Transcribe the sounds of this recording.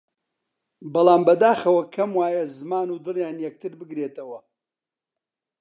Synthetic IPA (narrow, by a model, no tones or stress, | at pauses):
bɑlˠaːmbɐd̪aːxɐwɐkʰɐmwaːjɐzɨmaːnuːd̪ɨljaːnjɛk̚t̪ʰɨɾbɨɡɾeːt̪ɐwɐ